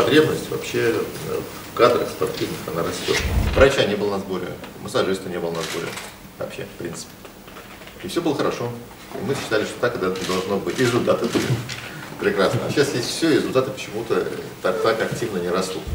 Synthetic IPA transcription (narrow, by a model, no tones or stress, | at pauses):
pɐt̪ɾʲe̞bnəsʲtʲvɐ̰pɕːe̞f | kad̪ɾəxspɐrtʲivnɨxɐnaɾɐst̪oɾʲvɾɐt͡ɕanʲebɨlˠənɐzboɾʲɪ̰məsɐʐɨst̪vənʲe̞bəlˠənɐzbo̞ɾʲɪ̰ | vɐ̰pɕe̞̰fpɾʲint̪sɨ̥pʲɪ̥ | ɪfsʲobɨlˠəxəɾɐʂo̞ | ḭmɨɕːɪ̥t̪alʲɪʂt̪ot̪akɨd̪ɛt̪d̪ɐlˠʐno̞bɨtʲɾʲɪzʊlʲt̪at̪ɨt̪u | pɾʲɪkɾasnə̰ɕːasjesʲtʲfsʲoɾʲɪzʊlʲt̪at̪ɨpə̥t͡ɕɪmut̪ət̪ak̚t̪akɐk̚tʲivnənʲɪɾɐst̪ut̪